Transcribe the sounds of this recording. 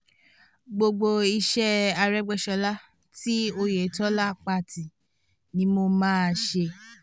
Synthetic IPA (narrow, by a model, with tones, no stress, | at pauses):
ɡ͡bo˧ɡ͡bo˧i˧ʃɛ˦a˧ɾɛ˦ɡ͡bɛ˧ʃɔ˧la˦ | ti˦o˧je˨tɔ˦la˦k͡pa˧˨ti˨ | nĩ˦mo˧mãː˦˨˧ʃe˧